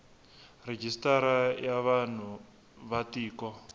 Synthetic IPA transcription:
red͡ʒistaɾajaβan̤u | βatiːkɔ

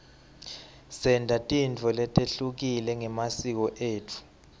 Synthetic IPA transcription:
sɛndʱatʼint͡fɔlɛtʼeɬuk̬ilɛŋɛmasik̬ɔʔeːtʰu̥

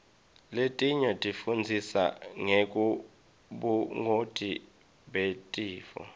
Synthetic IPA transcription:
letʼiɲɔtʼifund͡zʱisa̰ŋekʼu | ɓuŋotʼi | ɓetʼiːfɔ̰

